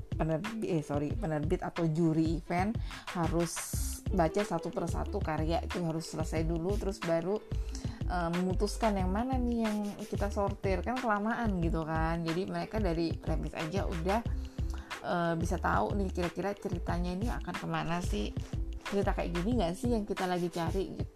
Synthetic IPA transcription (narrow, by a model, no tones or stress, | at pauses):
pənərbɛsoɾipənərbɪt̪at̪awd͡ʒuɾiːfɛnhaɾʊsbat͡ʃasat̪upərsa̰t̪ukaɾijaʔit̪uɦaɾʊsːələsajdulut̪əɾʊsbaɾu | ʔəːməmut̪uskanjaŋmananɪhjaŋkit̪asort̪ɪrkankəlamaʔanɡit̪ukand͡ʒadiməɾekadaɾipɾemɪsa̰d͡ʒaʔṵdah | ʔəːbisat̪a̰ṵnɪhkiɾakiɾat͡ʃəɾit̪aɲainia̰kankəmanasɪht͡ʃəɾit̪akaɪ̰ʔɡiniŋɡaʔsɪhjaŋkit̪alaɡit͡ʃaɾiɡḭt̪u